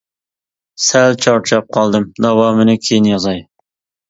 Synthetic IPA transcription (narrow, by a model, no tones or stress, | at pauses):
sælt͡ʃʰɑɾt͡ʃʰɑp̚qʰɑlˠd̪ɨmd̪ɑwɑːmɨnɪkʲʰejinjɑzɑj